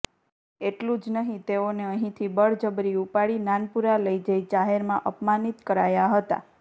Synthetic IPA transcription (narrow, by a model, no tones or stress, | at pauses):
eʈlũd͡ʒnəɦĩt̪eoneəɦĩt̪ʰibəɭd͡ʒəbɾiupaɽinanpuɾaləid͡ʒəid͡ʒaɦeɾmãʔəpmanit̪kəɾajaɦət̪a̰